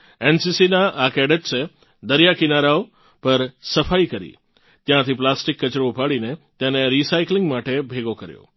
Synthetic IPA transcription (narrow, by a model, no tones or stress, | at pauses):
ensisinaʔakɛɽət͡ʃsʰe | d̪əɾjakinaɾao | pəɾsəfaikəɾḭ | t̪jãt̪ʰiplasʈikːət͡ʃɾoupaɽinet̪eneɾisaiklɪ̃ŋɡmaʈebʱeɡokəɾjo̰